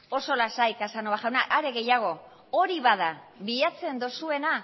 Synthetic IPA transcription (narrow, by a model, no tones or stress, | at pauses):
o̞so̞lasajkasanoβaʝawnaʔaɾe̞ɣe̞jaɣ̞o̞ | oɾiβað̞aβiat͡se̞nd̪osue̞na